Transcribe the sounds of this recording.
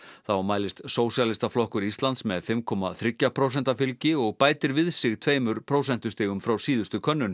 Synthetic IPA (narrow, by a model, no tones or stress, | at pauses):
θawmaːjlɪst̪soːwsjalɪst̪aflɔhkʏɾist̪lant̪smɛðfɪmkʰɔma̰θɾɪcːapʰɾoːwsɛnt̪afɪlcɪɔɣpaːjt̪ɪɾvɪðsɪɣt̪ʰvejmʏɾ̥pʰɾoːwsɛn̥t̪ʏst̪ɪːɣʏmfɾawsiːðʏst̪ʏkʰœnːʏn